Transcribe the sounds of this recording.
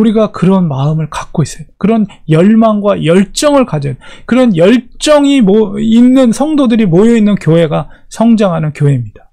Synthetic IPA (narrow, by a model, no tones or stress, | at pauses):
uɾiɡakɯɾʌnmaɯmɯɭkak͈ois͈ɯtakɯɾʌn | jʌɭmaŋɡwajʌɭt͡ɕ͈ʌŋɯɭkad͡ʑʌnkɯɾʌnjʌɭt͡ɕ͈ʌŋimːnːɯnsʰʌŋdodɯɾimojʌinːɯnkjoɦe̞ɡa | sʰʌŋd͡ʑaŋɦanɯnkjoɦe̞imɲid̥ḁ